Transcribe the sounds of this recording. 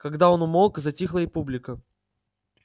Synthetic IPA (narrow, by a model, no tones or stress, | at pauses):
kɐɡd̪aonʊmolˠkzɐtʲixlˠəipublʲɪkə